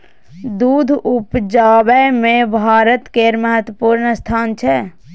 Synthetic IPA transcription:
d̪ud̪ʱupd͡ʒabɛmẽbʱaːɾət̪keɾməɦət̪wəpuːɾnəst̪ʰaːnt͡ʃʰɛ

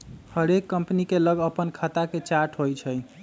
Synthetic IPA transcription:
həɾekːəmpnikeləɡəpənkʰat̪aket͡ʃaɾʈʰɦojt͡ʃʰəj

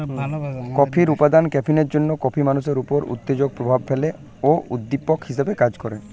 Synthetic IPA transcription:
kɔpʰiɾupad̪ankɛpʰineɾd͡ʒonːokɔpʰimanuseɾupɔɾṵt̪ːed͡ʒoɡ̚pɾobʱab̚pʰele | oʔud̪ːipɔkhis̬ebekad͡ʒkɔɾe

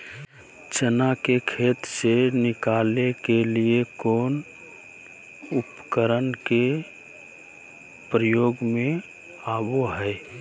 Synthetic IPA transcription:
t͡ʃənakekʰeːt̪senɪkalekeliekoːn | upkəɾənke | pɾəjoːɡmẽ | aboɦɛɪ

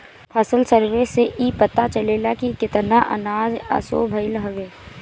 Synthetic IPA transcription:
pʰɐsəlsəɾʋeseʔiːpət̪at͡ʃəleːlakikɪt̪naʔə̰naːd͡ʒa̰so̰ːbʱɐɪlɦɐʋeː

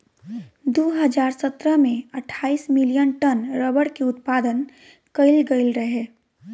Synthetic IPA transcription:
d̪oːɦəd͡ʒaːɾsət̪ɾəmẽəʈʰːaːismɪlijənʈənɾəbəɽkeʊt̪paːd̪ən | kəɪlɡəɪlɾəɦeː

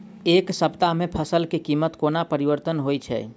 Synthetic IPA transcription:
eːksəbt̪amẽpʰəsəlkekimːət̪koːnapəɾiʋəɾt̪ənɦojt͡ʃʰɛ̰

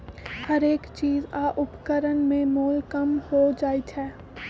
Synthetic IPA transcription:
hɐɾeːkt͡ʃiːzaːʔʊpkəɾənmẽmoːlkɐmhod͡ʒaːit͡ʃ̪ʰɛː

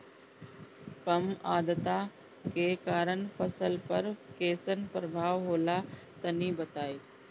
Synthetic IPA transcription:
kɐmaːd̪t̪a | kekaːɾəɳpʰəsəlpɐɾkeːsənpɾəbʱaːʋɦoːlat̪ɐnibɐt̪aːiː

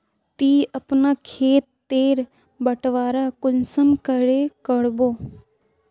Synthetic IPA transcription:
t̪iːəpnakʰeːt̪ːeːɾ | bəʈʋaːɾakʊlsəmkəɽekəɽboː

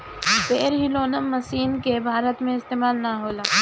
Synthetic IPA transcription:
beːɾɦiloːnəmːɐsiːnkebʱaːɾət̪mẽɪst̪eːmaːlnaɦoːlaː

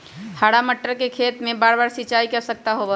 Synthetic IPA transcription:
haɽaməʈːəɾkekʰet̪mebaɾbaɾsit͡ʃaikɛsək̚t̪aɦobɛ

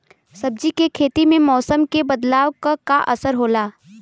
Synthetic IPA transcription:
sɐb̚d͡ʒikekʰeːt̪imẽmɔːsəmkebɐd̪laːʋkakaʔɐsəɾɦoːlaː

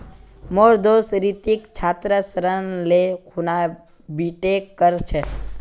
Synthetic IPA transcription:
moːɾd̪oːsɾit̪ikt͡ʃʰaːt̪ɾəsəɾənlekʰuna | biʈekəɾt͡ʃʰɛ

